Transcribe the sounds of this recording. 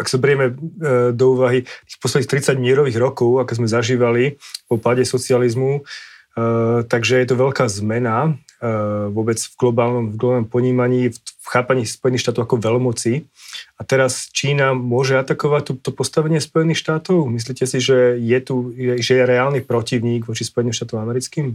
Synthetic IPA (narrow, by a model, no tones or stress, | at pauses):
aksabɛɾɪɛmɛd̪ɔuːʋaɦit̪i̥ːxpɔslɛd̪nixkt̪ɾit͡saɟmɪɛɾɔʋiːɣɾɔkɔʊakɔzmɛzaʒiːʋalipɔpaɟɛsɔt͡sializmu | t̪aɡʒɛjɛt̪uʋɛʎkaːzmɛna | ʋʊɔbɛd͡zvɡlɔbaːlnɔmvɡlɔbanɔmpɔɲiːmaɲiːfxaːpaɲiːspɔjɛnixʃt̪at̪ɔʊakɔʋɛlmɔt͡siat̪ɛɾast͡ʃiːnamʊɔʒɛat̪akɔʋac̚t̪ut̪ɔpɔst̪aʋɛɲɪɛspɔjɛniːxʃt̪aːt̪ɔʊmis̬liːcɛsiʒɛjɛt̪ujɛʒɛjɛɾɛaːlnipɾɔciʊɲiːɡʋɔt͡ʃispɔjɛnimʃt̪aːt̪ɔʊamɛɾit͡skiːm